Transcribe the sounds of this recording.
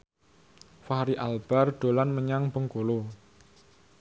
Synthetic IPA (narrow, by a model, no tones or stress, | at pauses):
faɾiʔalb̥arɖ̥o̤lanməɲaŋbəŋkolo